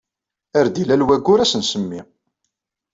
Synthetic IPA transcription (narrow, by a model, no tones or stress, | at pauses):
æɾd̪ilælwæɡːʊɾæsənsəmːi